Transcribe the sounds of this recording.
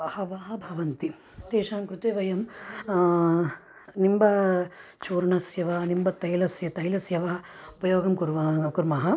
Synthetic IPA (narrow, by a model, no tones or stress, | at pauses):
ɐhɐʋaːɐbʱɐʋɐnt̪i | t̪eːʂaːnkɾut̪eːʋɐjɐm | nimbɐ | t͡ʃoːɾɐɳɐsjɐʋaːnimbɐt̪ɐjlɐsjɐt̪ɐjlɐsjɐʋɐɐupɐjoːɡɐmkuɾʋakuɾmaːɦɐ